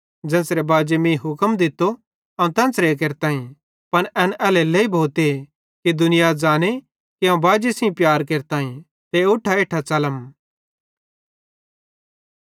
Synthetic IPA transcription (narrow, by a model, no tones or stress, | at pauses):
d͡ʒɛ̃ːsɾebaːd͡ʒemĩːɦʊkəmd̪ɪt̪ːo | ãt̪ɛ̃ːnsɾek̬eːɾt̪aːɦĩ | pɐnɛːnɛːleleibʱoːt̪e | kid̪ʊnɪjad͡zaːne | kiãːbaːd͡ʒesĩpjaːɾkeːɾt̪aːĩ | t̪eʊʈʰːaeːʈʰat͡ʃɐləm